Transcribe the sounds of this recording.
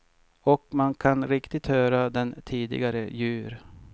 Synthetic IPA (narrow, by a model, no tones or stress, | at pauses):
ɔkmankʰanɾɪkt̪ɪt̪hœːɾad̪ɛnt̪ʰiːd̪ɪ̰ɡaɾəjʉ̟ːɾ